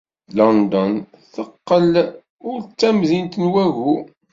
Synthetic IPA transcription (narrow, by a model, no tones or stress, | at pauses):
lɔnd̪ɔn | θəqːəl | ʊɾt͡sːæmðint̪ənwæʝu